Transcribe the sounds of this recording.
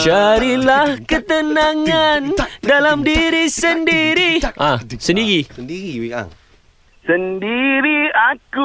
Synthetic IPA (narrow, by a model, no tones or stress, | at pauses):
t͡ʃaɾilahkət̪ənãŋandalamdiɾisəndiɾiʔãsəndiɾi | səndiɾiaku